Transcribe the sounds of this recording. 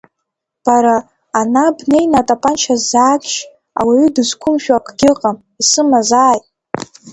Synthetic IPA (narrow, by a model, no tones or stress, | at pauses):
b̥aɾaː | nabne̞jnatʼapʼant͡ʃʰazːaːkʰʲʼʃ | a̰wiɥʏdɨzkʷʰʊmʃᶣakʼɡʲɪqʼam | isɨmazaːjtʼ